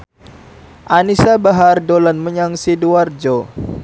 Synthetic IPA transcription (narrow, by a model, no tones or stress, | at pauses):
ʔanisabaɦardolanməɲaŋsiduard͡ʒo